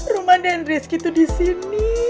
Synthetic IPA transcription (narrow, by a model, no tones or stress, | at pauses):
rumadɛnriskit̪udisini